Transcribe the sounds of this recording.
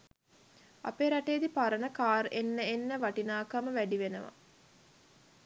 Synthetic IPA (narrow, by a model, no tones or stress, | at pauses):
a̰peːɾaʈeːd̪ipaɾənəkaːɾʔenːəenːəʋaʈinaːkaməʋæɖiʋenəʋa̰